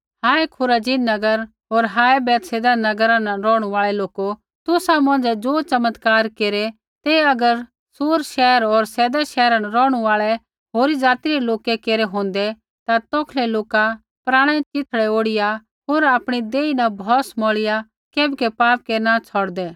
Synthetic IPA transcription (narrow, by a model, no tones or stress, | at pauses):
hãːekʰʊɾaːd͡ʒinɐɡəɾ | ɦoːɾɦaːɛbɛːt̪seːd̪anɐɡəɾãnɾɔːɽ̃uaːɭɛloːko | t̪ʊsamɐ̃nd͡zɛd͡zoːt͡ʃɐmət̪kaːɾkeːɾe | t̪eɐɡəɾ | soːɾʃɛːəɾɔːɾsɛːd̪aʃɛːɾãnɾɔːɽ̃uaːɭɛ | ɦoːɾid͡zaːt̪iɾeloːkɛkeːɾeɦõːnd̪ɛ | t̪at̪ɔːkʰlɛloːka | pɾaːɽ̃ɛ̃t͡ʃɪt̪ʰɭɛoːɽɪja | ɦoːɾaːpɽ̃id̪eːinabʱɔːsmɔːɭɪja | keːbɛkɛpaːp̚kenat͡sʰɔɽd̪ɛː